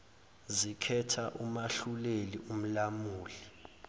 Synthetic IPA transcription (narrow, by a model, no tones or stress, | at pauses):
zikʰɛtʰaʔumaɬulelium̩lamuːli